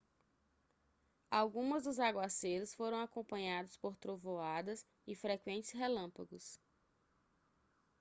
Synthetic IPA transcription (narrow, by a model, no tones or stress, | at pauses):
awɡũmɐzd̪ʊzaɡwaseɾʊsfoɾɐ̃w̃akõmpɐ̃ɲad̪ʊspoɾt̪ɾovoad̪ɐs | ɪfɾekwẽnt͡ʃɪ̥sɦelɐ̃paɡʊs